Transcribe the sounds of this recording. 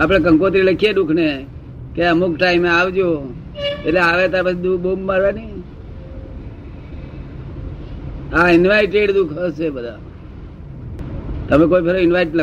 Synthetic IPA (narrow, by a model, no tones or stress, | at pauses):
ap̬ɽ̃ek̬ə̃ŋkot̪ɾiləkʰijed̪ukʰne | keəmukʈaimeaʋd͡ʒo | eʈleaʋet̪apat͡ʃʰid̪ukʰbomːaɾʋani | aɪnʋaɪʈeɖd̪ukʰəʃebəd̪ʱa | t̪əmẽkoipeɾoɪnʋajʈlə